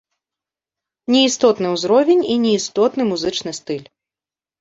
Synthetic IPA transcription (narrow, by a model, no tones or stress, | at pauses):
nʲɛist̪ɔt̪nɨwzɾɔvʲɛnʲinʲiist̪ɔt̪nɨmuzɨt͡ʂnɨst̪ɨlʲ